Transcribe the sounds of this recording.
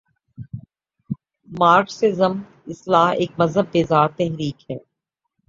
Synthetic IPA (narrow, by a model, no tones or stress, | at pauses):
maːɾksɪzəm | ɪslaːɦeːk̚mɐzɦəbːeːzaːɾt̪ɛɦɾiːkɦɛː